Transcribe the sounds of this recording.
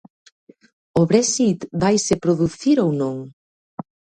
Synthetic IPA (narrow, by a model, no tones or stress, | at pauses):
oβɾɛsit̪bajsepɾoðuθiɾownõŋ